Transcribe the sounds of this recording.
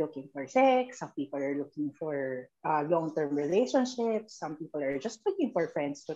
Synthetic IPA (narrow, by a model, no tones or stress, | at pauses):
lʊkɪ̃ŋfɔɹsɛksːɐ̃mpiːpɔlaɹlʊkɪ̃ŋfɔɹʔalɔ̃ŋt̪ɛɹmɹɪlejʃɔnʃɪpsːɐ̃mpiːpɔlaɹd͡ʒɐst̪lʊkɪ̃ŋfɔɹfɹɛ̃nd̪st̪ʊ